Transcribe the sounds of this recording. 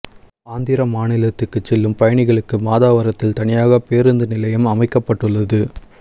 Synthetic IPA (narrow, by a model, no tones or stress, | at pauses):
aːnd̪ɪɾɐmaːnɪlɐt̪ːɯkːɯt͡ʃːɛlːɯmpɐjɐɳɪɣɐɭɯkːɯmaːðaːʋɐɾɐt̪ːɪlt̪ɐɳɪjaːɣɐpeːɾɯnd̪ɯnɪlɐjɐmɐmɐɪkːɐpːɐʈːɯɭːɐðɯ